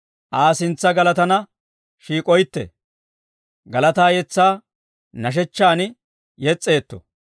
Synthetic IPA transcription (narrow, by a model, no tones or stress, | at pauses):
ʔaːsɪnt͡sːɐɡɐlɐt̪ɐnɐ | ʃiːkʼɔjt̪ːɛ̰ | ɡɐlɐt̪aːjɛt͡sːaː | nɐʃ̬ɛt͡ʃːaːnɪ | jɛt͡sʼːe̞ːt̪ːɔ̰